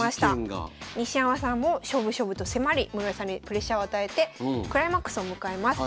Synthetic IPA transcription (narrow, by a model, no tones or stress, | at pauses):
aɕi̥t̪aaɡ̰ɲ̟iɕiãβasãmmːo̞ɕo̞bɯ̟ɕo̞ːbɯ̟t̪o̞se̞maɾʲimɯ̟ɾoesãɲ̟ːipɯ̟ɾe̞ɕːao̞at̪ae̞t̪e̞kɯ̟ɾaimakːɯ̟̥sɨomɯ̟kae̞masɨ